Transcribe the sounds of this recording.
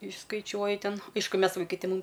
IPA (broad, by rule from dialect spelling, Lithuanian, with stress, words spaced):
ɪʃskɐɪˈt͡ʃʲuɔjɪ ˈtʲɛn ˈɐɪʃkʊ ˈmʲɛs ʋɐɪˈkɐɪ tʲɪ ˈmuːm